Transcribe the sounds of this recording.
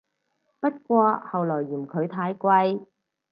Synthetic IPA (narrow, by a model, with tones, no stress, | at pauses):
pɐ˥t̚kʷɔː˧hɐ˨wlɔː˨˩jːiː˨˩mkʰɵ˨˧ɥt̪ʰaː˧jkʷɐ˧j